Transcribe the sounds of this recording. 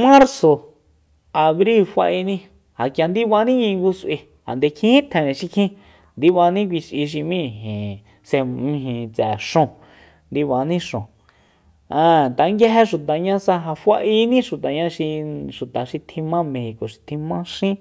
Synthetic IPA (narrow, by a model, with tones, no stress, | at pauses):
mã˦ɾso˨ | a˨βɾi˦˨lfa̰˧ʔi˧nĩ˦ | ha˨kja˧nd̪i˦βa˧nĩ˦ɲĩ˧ŋɡu˧si˧ | ha̰˨nd̪e˧kʰĩ˦ĩ˦t̪ʰɛ̃˨nẽ˨ʃi˧kʰĩ˦ | nd̪i˧βa˧nĩ˦k̬ʷi˧ʃʔi˧ʃ̬i˧mĩ˦˨ɦĩ˨ | se˧mĩ˧ɦĩ˨t͡sɛ˨ʂõ˧ | nd̪i˧βa˧nĩ˦ʂõ˨ | ã˧˨t̪a˨˦ŋɡe˦ɦe˧ʃu˨t̪a˨ɲã˧sa˧ɦa˧fʷa˧ʔi˧nĩ˦ʃu˨t̪a˨ɲã˧ʃi˧ʃu˨t̪a˨ʃi˧t̪ʰĩ˧mã˦mẽ˧hi˨ko˨ʃi̥˧t̪ʰĩ˧mã˦ʃĩ˦